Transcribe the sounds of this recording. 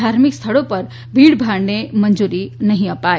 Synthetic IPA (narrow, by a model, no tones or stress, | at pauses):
aɾmikst̪ʰəɭopəɾ | bʱiːɽbʱaɽnemənd͡ʒuɾinəɦĩəpaːe